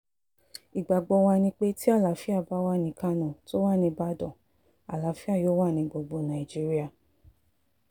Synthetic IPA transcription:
i˨ɡ͡ba˨ɡ͡bɔ˧wa˧nĩ˧k͡pe˧ti˦a˦˨la˨˦fi˦a˦˨ba˨˦wa˦˨nĩ˧ka˦nã˨to˦wa˦˨nĩ˧ba˦dɔ˦˨ | a˨la˨˦fi˦a˦˨jo˦wa˦˨nĩ˧ɡ͡bo˧ɡ͡bo˧nã˨i˨d͡ʒi˦ɾi˦a˧˨

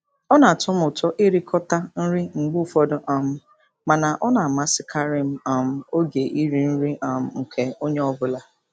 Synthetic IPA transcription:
ɔ˦na˨tʊ˦mʊ˨tɔ˦ʔi˦ɾi˦kʰɔ˦ta˦n̩˦ɾi˦ŋ͡m̩˨ɡ͡bu˦fɔ˦dʊ˨ʔa˨m̩˦ | ma˨na˨ʔɔ˦na˨ma˨sɪ˦kʰa˦ɾi˦m̩˦a˨m̩˦o˦ɡe˨ʔi˦ɾi˦n̩˦ɾi˦a˨m̩˦ŋ̩˨kʰe˨o˦ɲe˦ɔ˦bʊ˦la˦

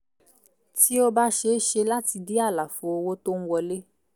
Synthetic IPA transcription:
ti˦o˦ba˦ʃe˨˦ʃe˧la˦ti˧di˦a˦˨la˨fo˨o˧wo˦to˦ñ̩˦wɔ˧le˦

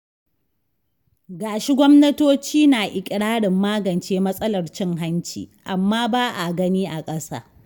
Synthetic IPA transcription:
ɡaː˨ʃi˦ɡʷɔ˦mnɐ˦toː˦t͡ʃiː˦naː˨ʔɪ˨kʲʼɪ˨ɽaː˦ɽɪ˨mːaː˦ɡɐ˨nt͡ʃeː˦mɐ˦sʼɐ˦lɐ˨rt͡ʃɪ˦ŋɦa˦nt͡ʃḭː˨ʔa˨mːaː˦baː˦ʔa˨ɡɐ˦niː˦ʔa˨kʼɐ˦sa̰ː˦

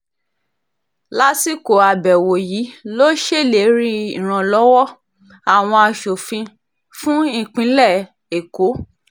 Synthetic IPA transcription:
la˦si˦˨ko˨a˨bɛ˨wo˨jiː˨˦lo˦ʃe˦˨le˨˦ɾĩ˦i˦˨ɾ̃ã˧lɔ˨˦wɔ˦ | a˨w̃ɔ̃˧a˧ʃo˨fĩ˧ | fũ˦ĩ˦˨k͡pĩ˧˦lɛ˦˨ | e˨ko˨˦

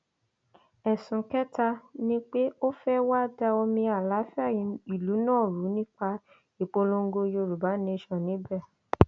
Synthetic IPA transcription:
ɛ˨sũ˨kɛ˦ta˧nĩ˦k͡pe˦o˦fɛ˦wa˦da˧o˧mĩ˧a˨la˨˦fi˦a˦˨jĩ˨˦i˦˨lu˨˦nãː˦˨ɾu˨˦nĩ˦k͡pa˧ | i˨k͡po˧lõ˧ŋ˦ɡo˧jo˧˨ɾu˨ba˨˦nẽ˧˦ʃɔ̃˦˨nĩ˨˦bɛ˦˨

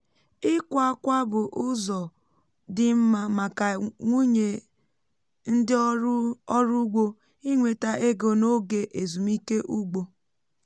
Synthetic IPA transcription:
ɪ˦kʷa˨a˦kʷa˦bʊ˨ʔʊ˦zɔ˨ | dɪ˦m̩˦ma˦ma˨ka˨ŋʷu˦ɲe˨ | n̩˦dɪ˦ | ɔ˦ɾu˦ɡ͡bo˦ | i˦ŋʷe˨ta˦ʔe˦ɡo˨no˦ɡe˨ʔe˨zu˨mi˦ke˦ʔu˦ɡ͡bo˦

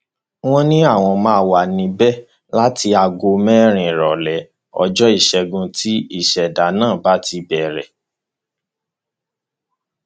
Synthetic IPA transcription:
w̃ɔ̃˦nĩ˦a˦˨w̃ɔ̃˧mãː˧˦wa˨nĩ˧bɛ˦ | la˦ti˧a˧ɡo˧mɛ̃˦ɾ̃ĩ˨ɾɔ˨lɛ˨˦ | ɔ̰˧d͡ʒɔ˦i˦˨ʃɛ˧ɡũ˧tʰi˦i˦˨ʃɛ˨da˨˦nãː˦˨ba˨˦ti˧bɛ˨ɾɛ˨

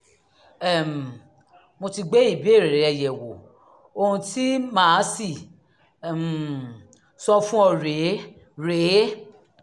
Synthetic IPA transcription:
ɛ˨m˨ | mo˧ti˧ɡ͡be˦i˦˨bi˦e˦˨ɾe˨ɾe˨ɛ˧˨jɛ˨wo˨ | o˧hũ˧ti˦mãː˦si˦˨ | m˨ | sɔ˦fũ˦ɔ˧ɾe˨˦ | ɾe˨˦

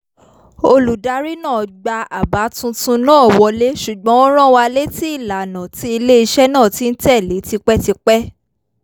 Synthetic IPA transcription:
o˧lu˨da˨˦ɾi˦nãː˦˨ɡ͡ba˧a˨ba˨˦tũ˧tũ˧nãː˦˨wɔ˧le˦ʃu˨ɡ͡bɔ̃˨˦ɾ̃ã˦wa˧le˦ti˦i˦˨la˨nã˨ti˨˦i˧le˦i˧ʃɛ˦nãː˦˨ti˨˦n̩˦tɛ˦˨le˨˦ti˧k͡pɛ˦ti˧k͡pɛ˦

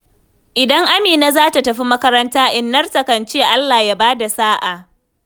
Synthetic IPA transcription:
ʔɪ˨dɐ˦ŋʔa˦miː˨na˦zaː˦ta˨tɐ˨ɸi˦mɐ˦kɐ˦ɾɐ˦ntaː˦ʔɪ˦nːɐ˦rtɐ˨kɐ˨nt͡ʃeː˦ʔa˦lːaː˨ja˦baː˦da˨saː˦ʔa˨ʔ

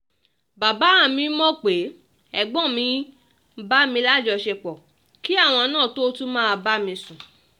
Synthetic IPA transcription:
ba˨ba˨˦ã˨mĩ˧˦mɔ̃˦k͡pe˨˦ | ɛ˨ɡ͡bɔ̃˦˨mĩ˧˦ | ba˦mĩ˧˦la˦˨d͡ʒɔ˧ʃe˧k͡pɔ˨ | ki˦a˦˨w̃ɔ̃˧nãː˦˨to˦tu˦mãː˦˧ba˦mĩ˧sũ˨

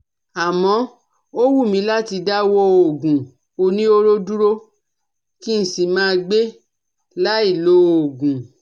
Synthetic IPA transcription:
a˨mɔ̃˨˦ | o˦wu˦˨mĩ˨˧˦la˦ti˧da˦wo˦o˨ɡũ˨ | o˧nĩ˦o˦ɾo˦du˦ɾo˦ | ki˦n̩˦si˨mãː˦˧ɡ͡be˦ | la˦i˦˨lo˨˦o˨ɡũ˨

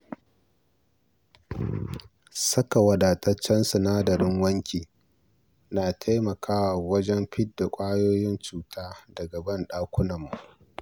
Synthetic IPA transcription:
sɐ˦ka˨wɐ˨daː˨tʼɐ˦t͡ʃːɐ˦nsʊ˨naː˦dɐ˨ɾɪ˦ŋwɐ˦ŋkʲiː˨ | naː˨tʰa˦jmɐ˨kʰaː˦waː˨wɐ˦d͡ʒɛ˦mɸɪ˦tda˨kʷʼaː˦joː˦jɪ˦nt͡ʃuː˨tʰaː˦dɐ˨ɡɐ˨bɐ˦nɗaː˦kʷʊ˦nɐ˨mːu˨ʔ

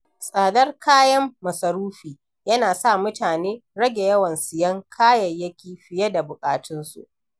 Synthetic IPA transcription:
sʼaː˨dɐ˦rkʰaː˦jɐ˦mːɐ˨sɐ˨ɾuː˦ɸiː˨ | jɐ˦naː˨sa˦˨mʊ˦taː˨neː˦ɽɐ˦ɡʲe˨jɐ˦wɐ˨nsɪ˨jɐ˦ŋkʰaː˦jɐ˨jjɐ˦kʲiː˨ɸɪ˨je˦da˨bʊ˨kʼaː˨tɪ˦nsṵ˦ʔ

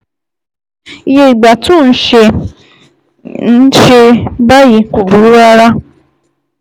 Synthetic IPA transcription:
i˦ɦe˦i˨ɡ͡ba˨tʊ˦˨n̩˦ʃe˦ | n̩˦ʃe˦ba˦ji˨kʷu˨bu˨ɾu˦ɾa˦ɾa˦

